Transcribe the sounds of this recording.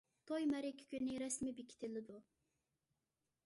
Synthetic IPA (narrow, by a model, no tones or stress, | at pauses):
t̪ʰojmɛɾɪkʲʰːi̥kʲynːɪɾɛsmibekʲʰi̥t̪ʰɪlɪd̪u